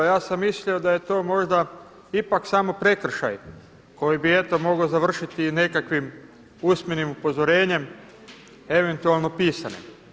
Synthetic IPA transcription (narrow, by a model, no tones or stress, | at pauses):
jaːsamːislio̞d̪aje̞t̪o̞ːmo̞ʒd̪a | ipaksaːmo̞pɾe̞kr̩ʃa̰j | ko̞jibie̞t̪o̞mo̞ɡozaʋr̩ʃit̪ine̞kakʋim | usmʲjenimupo̞zo̞ɾe̞ːɲe̞m | e̞ʋe̞nt̪ualˠno̞piːsanḛ